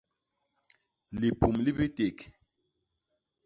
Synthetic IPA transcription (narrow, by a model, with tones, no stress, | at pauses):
li˨pu˨mli˦bi˦te˨k